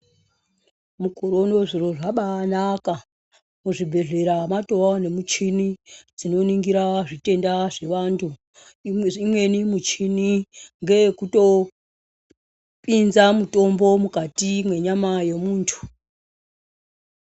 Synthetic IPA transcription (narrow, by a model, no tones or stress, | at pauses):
mukoɾo̞no̞ʐiroʐaɓaːnaka | muʐibʱe̞ɮe̞ɾamato̞wane̞mut͡ʃinid͡zino̞niŋɡiɾaʐite̞ndaʐe̞ʋantʰu | imwe̞nimut͡ʃiniŋɡe̞kuto̞ | pʼinzamuto̞mbo̞mukatimwe̞ɲamajemuːntʰu̥